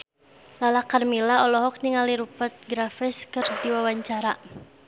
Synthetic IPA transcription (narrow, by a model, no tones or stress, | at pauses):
lalakarmilaɔlɔɦɔk̚niŋaliɾupət̪̚ɡɾafɪskɨrdiwawaɲt͡ʃaɾa